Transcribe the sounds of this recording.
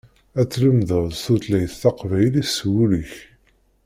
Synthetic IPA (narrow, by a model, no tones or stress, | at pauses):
æt͡sːləmðəðˤθut̪læjθɑqvæjliswuləç